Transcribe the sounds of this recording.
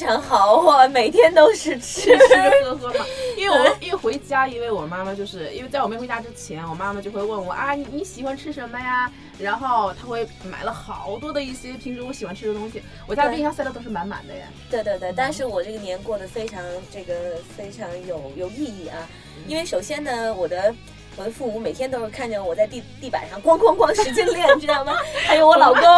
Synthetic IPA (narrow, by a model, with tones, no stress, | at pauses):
ʈ͡ʂʰɑ˧˥ŋxɑ˨˩˦ʊxɔ˥˩me˨˩ɪt̪ʰjɛ˥nt̪o˥ʊʂɻ̩˥˧ʈ͡ʂʰɻ̩ʰ˥o˥˧˥xə˧˥ɑ˨˦i˥nwe˥˩ɪwɔ˨˩˥i˥˩xwe˧˥ɪt͡ɕja˥i˥we˥˩ɪwɔ˨˩ma˥ma˨t͡ɕjo˥˧ʊʂɻ̩˥˩ḭ˥n˥wt͡sa˥˩ɪwɔ˨˩m˥˩xe˧˥t͡ɕa˥ʈ͡ʂɻ̩˥t͡ɕʰjɛ˧˥nwɔ˨˩ma˥ma˨t͡ɕjo˥˧ʊxwe˧ɪwə˥˩nwɔ̰˨˩ʔa˥˩ni˧ni˧˥ɕi˨˩xwa˧˦nʈ͡ʂʰɻ̩˥ʂə˧˥mːə˧ja˩ | ɻa˧˥nxo˥˩ʊt̪ʰa˥xwe˥˩ɪma̰˨˩ɪlə˦xɑ˨˩˦ʊt̪wɔ˥d̪ə˨i˥˩ɕjɛ˥p̪ʰi˧˥ŋʈ͡ʂu˥wɔ˧˥ɕi˨˩xwa˧nʈ͡ʂʰɻ̩˥˧˥t̪ʊ˥ŋɕi˨˩ | wɔ˨˩t͡ɕa˥˧˥sa˥˧d̪t̪o˥ʊʂɻ̩˥˩ma˧˥nma̰˨˩nd̪ə̰˦ja̰˩t̪we˥˧ɪt̪we˥˧ɪt̪we˥˩ɪt̪a˥˧nʂɻ̩˥˩wɔ˨˩ʈ͡ʂɤ˥˩ɡə˩njɛ˧˥nkwɔ˥˩d̪ə˩fe˥ɪʈ͡ʂʰɑ˧˥ŋʈ͡ʂɤ˥˩ɡə˩fe˥ɪʈ͡ʂʰɑ˧˥ŋjo˨˩ʊjo˨˩ʊi˥˧i˥˩ɐ˧ | i˥nwe˥˩ɪʂo˨˩ʊɕjɛ˥nnə˨wɔ˨˩d̪ə˦ | wɔ˨˩d̪ə˦fu˥˩mu˧˥me˨˩ɪt̪ʰjɛ˥nt̪o˥ʊʂ̩˥˧˩kʰa˥˩nʈ͡ʂə˥˩wɔ˨˩t͡sa˥˧ɪt̪t̪i˥˩pa̰˨˩ʂɑ˥˩ŋkwɑ˥ŋkʰwɑ˥˧ŋkwɑ˥ŋʂʂɻ̩˧˥t͡ɕɛ˥˧ljɛ˥˩ʈ͡ʂɻ̩˥˩mə˨˩xɪjo˧˩wɔ˧˥lɑ˨˩ʊko˥